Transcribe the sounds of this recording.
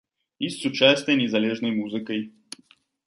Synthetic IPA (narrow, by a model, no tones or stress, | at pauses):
isːʊt͡ʃasʲt̪ʲɛnʲɛzɐlʲɛʒnəjmuzɨkəj